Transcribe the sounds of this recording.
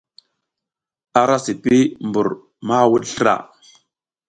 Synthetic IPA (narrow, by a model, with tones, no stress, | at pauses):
a˨ɾa˦si˨pi˦mbu˨ɾ | ma˦˨wu˦ɗɬɾa̰˨